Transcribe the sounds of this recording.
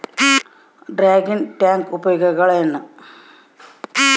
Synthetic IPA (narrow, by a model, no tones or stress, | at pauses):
ɖraːɡinʈaːŋɡubɐjoɣɐɣɐɭenːɨ